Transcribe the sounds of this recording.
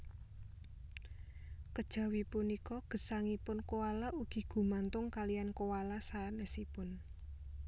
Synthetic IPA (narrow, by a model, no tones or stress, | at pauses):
kəd̥ʒ̥a̤wipunikɔɡ̥ə̤saŋipʊnkowalauɡ̥i̤ɡ̥ṳmant̪ʊŋkalijankowalasanɛsipʊn